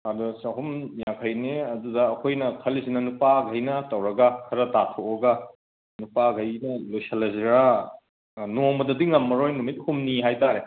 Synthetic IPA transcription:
ɐdusɐɦumjaŋkʰɐjneɐdudɐːkʰojnɐkʰɐlisinɐnupaɡʱɐjnɐtɐwɾɐɡɐkʰɐɾɐtatʰooɡɐ | nupaɡʱɐjnɐlujsɐlɐziɾa | nomɐdɐdiŋɐmːɐɾojnumit̚humniɦajtaɾe

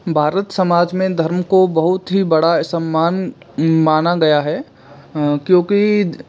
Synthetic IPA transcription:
bʱaːɾət̪sɐmaːd͡ʒmẽd̪ʱɐɾmkobɐɦʊt̪ɦibɐɽasəmːaːn | maːnaɡɐjaɦɛː | kjõːki

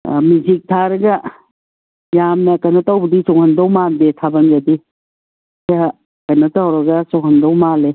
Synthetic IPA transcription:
mizik̚tʰaɾɐɡɐ | jamnɐkɐjnotawbɐdisɔŋhɐndowmandetʰabɐnɡɐdi | sa | kɐjnotawɾɐɡɐsɔŋhɐndɔwmale

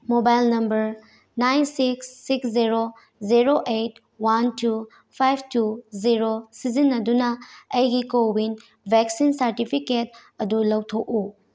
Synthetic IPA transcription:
mobajlnɐmbɐɾ | najnsiksːiksziɾo | ziɾoʔejt̚ | wantu | pʰajb̚ʰtuziɾosizinːɐdunɐɐjɡikowin | bʱeksinsɐɾtipʰiket̚ | ɐdulɐwtʰoku

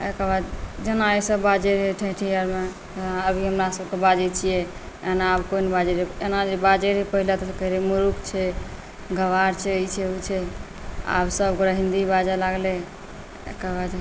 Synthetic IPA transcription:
ekabad̪d͡ʒenaəsəbad͡ʒeɾɦeʈʰəʈʰijəɾme | aəbʱiɦəmɾasəbʱkebad͡ʒet͡ʃʰijɛ | enaːbkonbad͡ʒeɾeenad͡ʒebad͡ʒeɾipəɦilet̪ɔkəɦiɾemuɾukt͡ʃʰɛ | ɡəʋaɾt͡ʃʰɛət͡ʃʰɛut͡ʃʰɛ | a̰bsəbɡɾəɦĩnd̪ibad͡ʒalaɡle | ḛkabad͡ʒ̪

